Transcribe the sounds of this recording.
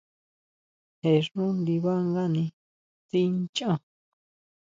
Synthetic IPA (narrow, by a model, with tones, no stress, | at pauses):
he˨ʐũ˦li˧βa˦ŋɡa˦nĩ˧ | t͡si˦nt͡ʃã˧